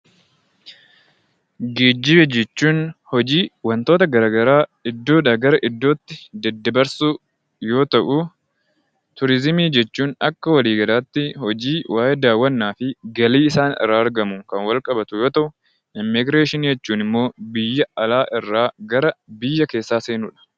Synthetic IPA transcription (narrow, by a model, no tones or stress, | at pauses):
ɡiːd̪ːɪbɛd͡ʒɛt͡ʃːuːnhɔd͡ʒiːwɐnt̪o̞ːt̪ɐɡɐɾaːɡɐɾaːɪd̪ːo̞ːᶑɐɡɐɾɐʔɪd̪ːo̞ːt̪ːɪd̪ɛd̪ːɐbɐɾsuː | jo̞ːt̪ɐʔʊ | t̪ʊɾɪzɪmiːd͡ʒɛt͡ʃːuːnɐkːɐwɐliːɡɐlaːt̪ːɪhɔd͡ʒiːwʔaːʔɛːd̪aːwːɐnːaːfɪɡɐliːɪsaːnɪ̰rːaːɐɾɡɐmʊkɐnwɐlkʼɐbɐt̪ʊjo̞ːt̪ɐʔʊ | ɪmːɪɡɾeːʃɪnjɛt͡ʃːuːnɪmːo̞ːbɪjːɐɐlaːʔɪrːaːɡɐɾɐbɪjːɐke̞ːsːaːse̞ːnuːᶑɐ̥